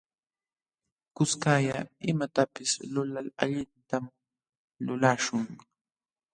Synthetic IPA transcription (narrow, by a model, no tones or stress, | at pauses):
kʊskajaɪmat̪apɪslʊlala̰ʎɪnt̪am | lʊlaʃʊŋ